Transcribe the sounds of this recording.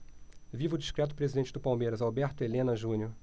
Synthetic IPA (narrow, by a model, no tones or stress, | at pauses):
vivʊd͡ʒiʃkɾɛt̪̬ʊ̥pɾezid̪ẽnt͡ʃɪd̪ʊpawmejɾɐzawbɛɾt̪ʊelẽnɐʒũnʲjʊ